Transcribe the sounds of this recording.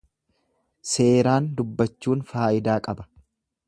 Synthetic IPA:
se̞ːɾaːnd̪ʊbːɐt͡ʃːuːnfaːʔɪd̪aːkʼɐbɐ̥

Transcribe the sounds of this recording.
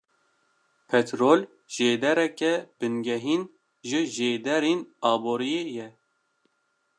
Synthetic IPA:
pʰɛt̪ɾoːl | ʒ̥eːd̪ɛɾɛkɛbɨnɡɛɦiːn | ʒɨʒeːd̪ɛɾiːnɑːboːɾijeːjɛ

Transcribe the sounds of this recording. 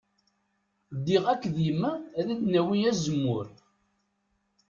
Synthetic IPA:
d̪ːiʁækːðjəmːæðæd̪næwijæzəmːʊɾ

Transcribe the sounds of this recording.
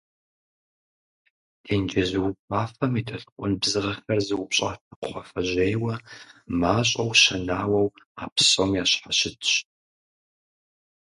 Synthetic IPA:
tʰeːnd͡ʒɐzɨwʊpʼaːfɐmitʰɐɬɨqʷʼʊnbzɨʁɐxɐrzɨwʊpɕʼa̰ːtʰɐqχʷɔfɐʑejwɐmaːɕʼɐwʃɐnaːwɐwa̰ːpʰɕʼɐmjaːɕħaɕɪtʰɕ

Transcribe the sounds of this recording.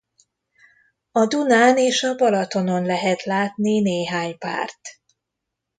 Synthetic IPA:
ɒd̪unaːneːʃɒbɒlɒt̪o̞no̞nlɛɦɛt̪laːt̪nineːɦaːɲpa̰ːrt̪

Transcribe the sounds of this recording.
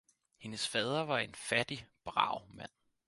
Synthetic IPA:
he̝nəsfɛːð̞ˠɐʋɑ̈e̝nfæd̥ib̥ʁɑ̰̈ʊ̰mæn̰

